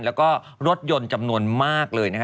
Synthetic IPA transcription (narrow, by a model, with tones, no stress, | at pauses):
lɛː˦˥wkɔː˥˩ | ɾo˦˥t̪̚jo˧nt͡ɕa˧mnu˧ənmaː˥˩k̚lɤː˧jna˦˥kʰ